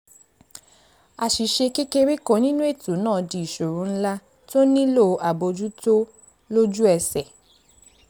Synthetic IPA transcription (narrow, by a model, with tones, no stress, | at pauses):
a˨ʃi˨ʃe˧ke˦ke˧ɾi˦kõ˨˦nĩ˦nũ˦e˦˨to˨˦nãː˦˨˧di˨i˨ʃo˨ɾũ˨˦n̩˦la˦ | to˦nĩ˦lo˦˨a˨bo˧d͡ʒu˦to˦ | lo˦d͡ʒu˦ɛ˧sɛ˨